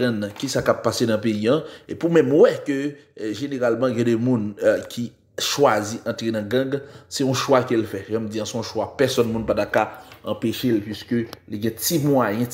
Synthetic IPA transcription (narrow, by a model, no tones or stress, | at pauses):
ãñkisakapːasenɐ̃peiãepumɛ̃mwɛkøʒeneʁalmɑ̃ɡɛ̃dɛmũnkʰʲi | ʃwaziʔɐ̃tʁenɐ̃ɡɐ̃ɡsɛɔ̃ʃwakelfɛʒãmd͡ziãsɔ̃ʃwapɛsɔnmũnpatakaɐ̰̃peʃelpɥiskøliɡɛ̃timũajɛ̃